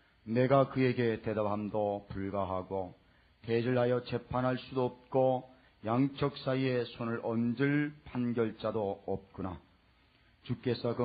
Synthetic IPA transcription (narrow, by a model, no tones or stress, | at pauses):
ne̞ɡakɯe̞ɡe̞te̞dapɦamdopuɭɡaɦaɡo | te̞d͡ʑɯɭɦajʌt͡ɕe̞pʰanɦaɭs͈udoːp̚k͈o | jaŋt͡ɕʰʌk̚s͈aie̞sʰonɯɾʌnd͡ʑɯɭpanɡjʌɭt͡ɕ͈adoʌp̚k͈una | t͡ɕuk͈e̞sʰʌkɯ